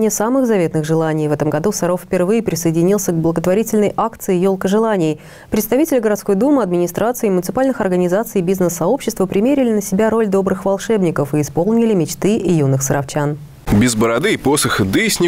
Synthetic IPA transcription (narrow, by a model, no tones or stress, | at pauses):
nʲɪjəsamɨɣzɐvʲe̞t̪nɨɣʐɨlˠanʲɪjvɛt̪əmɡɐd̪usɐɾo̞ffʲpʲɪrvɨjɪpɾʲɪsəɪdʲɪnʲilˠsʲəɡblˠəɡət̪vɐɾʲitʲɪlʲnəjʔakt̪sɨɪjo̞lˠkəʐɨlˠanʲɪj | pɾʲɪt̪st̪ɐvʲitʲɪlʲɪɡəɾɐt̪sko̞jd̪umɨɐd̪mʲɪnʲɪst̪ɾʔat̪sɨɪmʊnʲɪt̪ɨpalʲnɨxɐrɡənʲɪzat̪sɨjbʲiznəsːɐo̞pɕːɪst̪vəpɾʲɪmʲeɾʲɪlʲɪnəsʲɪbʲaɾo̞lʲd̪o̞bɾɨxvɐlˠʂɛbnʲɪkəfɨːspo̞lˠnʲɪlʲɪmʲɪt͡ɕt̪ɨʔɪjunːɨxsəɾɐft͡ɕan | bʲɪzbəɾɐd̪ɨːposəxɨd̪ɨsʲnʲɪ